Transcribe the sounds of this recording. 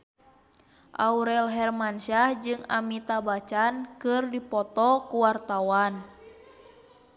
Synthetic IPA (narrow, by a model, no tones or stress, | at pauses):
ʔa̰uɾɛlɦɛrmanʃahd͡ʒɨŋa̰mit̪abat͡ʃankɨrdipɔt̪ɔkuwart̪awan